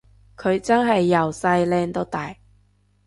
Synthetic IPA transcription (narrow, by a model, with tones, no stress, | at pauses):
kʰɵ˨˧ɥt͡sɐ˥nɦɐ˨jːɐ˨˩wsɐ˧jlɛː˧ŋt̪o˥t̪aː˨j